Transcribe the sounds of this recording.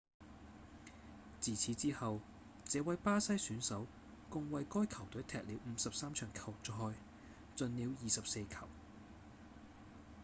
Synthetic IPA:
t͡siː˨t͡sʰiː˨˥t͡siː˥hɐ˨w | t͡sɛː˨˧wɐ˨˥jpaː˥sɐ˥jsyː˨˥nsɐ˨˥w | kʊ˧ŋwɐ˨˧jkɔː˥jkʰɐ˨˩wt̪ɵ˨˥t̪ʰɛː˨k̚liː˨˧wm̩ː˨˧sɐ˨p̚saː˥mt͡ʃʰœː˨˩ŋkʰɐ˨˩wt͡sɔ˨ɦɔː˧j | t͡sɵ˨nliː˨˧wjiː˨˩sɐ˨p̚se˧jkʰɐ˨˩w

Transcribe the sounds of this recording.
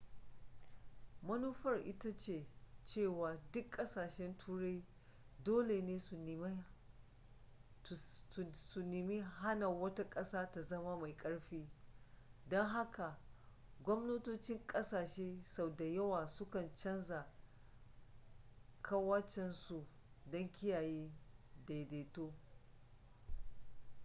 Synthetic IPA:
mɐ˦nuː˦ɸɐ˦rʔɪ˦ta˦t͡ʃeː˨t͡ʃeː˦˨waː˨dʊ˦kʼːɐ˦saː˨ʃɛ˦ntʰuː˦ɽa˦j | doː˦le˨neː˦˨ | su˨nɪ˨mi˦ɦa˦na˨wɐ˦ta˦kʼɐ˦saː˦ta˨zɐ˦ma˦ma˨jkʼɐ˦ɽɸiː˦ | dɔ˦ŋɦa˦ka˨ | ɡʷɔ˦mno˦toː˦t͡ʃɪ˦ŋkʼɐ˦saː˨ʃeː˦sa˨wda˨jɐ˦waː˨sʊ˦kɐ˨nt͡ʃɐ˦nza˨ | kʰa˦waː˦t͡ʃɛ˨nsu˨ | dɐ˦ŋkʲɪ˦jaː˨jeː˦da˨deː˨toː˦

